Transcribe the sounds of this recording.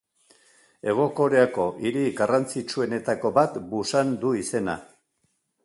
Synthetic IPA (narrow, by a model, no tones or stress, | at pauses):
e̞ɣ̞o̞ko̞ɾeako̞ʔiɾiɣarant͡sit͡ʃue̞ne̞t̪ako̞βat̪busand̪uise̞na̰